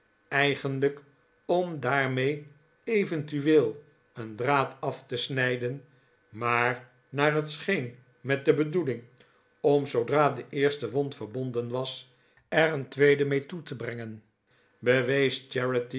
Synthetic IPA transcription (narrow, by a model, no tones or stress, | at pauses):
ɛjχənlək | ɔmdaːɹmej | ejvəntyʋeːlˠ | əndraːtɑftəsnɛjdən | maːɹ | naːɹɦətsχejn | mɛt̚dəbədulɪŋ | ɔmsowdraːdəʔɪːɹstəʋɔntfəɹbɔndənʋɑs | ɛɹəntʋejdəmejtutəbrɛŋən | bəʋejsd͡ʒɛɹəti